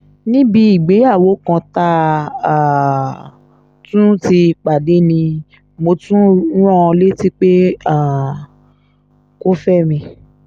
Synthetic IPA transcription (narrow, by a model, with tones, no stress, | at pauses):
nĩ˦bi˧i˨ɡ͡be˨˦a˦˨wo˨˦kã˧ta˦ã˨ | tũ˦ti˧k͡pa˨de˨˦nĩ˧ | mo˧tũ˦ɾ̃ɔ̃˦ɔ̃˧le˦ti˦k͡pe˦ã˦˨ | ko˦fɛ˦mĩ˧